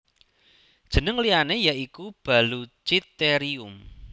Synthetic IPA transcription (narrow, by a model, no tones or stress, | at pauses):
d̥ʒ̥ə̤nəŋlianejaikub̥a̤lut͡ʃit̪ːeɾiʊm